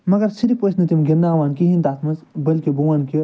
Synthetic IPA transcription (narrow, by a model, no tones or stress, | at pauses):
mɐɡɐɾsiɾiposnɐt̪imɡʲindaːʋaːnkiɦĩnt̪aːt̪ʰmɐnzbɐlkibuʋaːnki